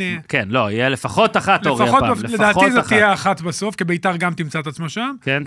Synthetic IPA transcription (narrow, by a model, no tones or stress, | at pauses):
kenloijelefaχot̪aχatleoʁfaotled̪aːtizetijeaχat̪baso̞fkibeit̪aʁɡamt̪imt͡saet̪at͡smoʃamken